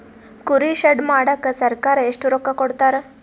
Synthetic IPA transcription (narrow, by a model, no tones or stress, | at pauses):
kuɾiɕəɖmaɽəkəsəɾkaɾeʂʈuɾokːakoɽt̪aɾ